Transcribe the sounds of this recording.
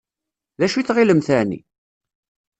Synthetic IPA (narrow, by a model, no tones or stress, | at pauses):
ðæʃiθʁiləmθænḭ